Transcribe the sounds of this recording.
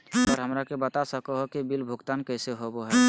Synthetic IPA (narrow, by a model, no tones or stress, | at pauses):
ɔːɾɦəmɾakebət̪asəkoɦokibilbʱʊɡt̪aːnkɛːseɦoboɦɛ